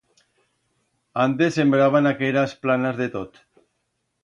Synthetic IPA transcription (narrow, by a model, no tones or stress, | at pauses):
ant̪ese̞mbɾaβ̞anakeɾasplanazðe̞t̪ot̪